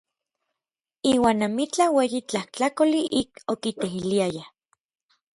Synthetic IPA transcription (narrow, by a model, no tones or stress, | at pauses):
iːwaːnːamit͡ɬaweːjit͡ɬaht͡ɬakoliʔikokit̪eɦiliaja